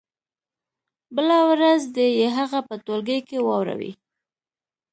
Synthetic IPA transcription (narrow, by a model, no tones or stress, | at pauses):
bəlawɾazd̪əjeɦaɣapət̪olɡəjkewɑwɾa̰wḭ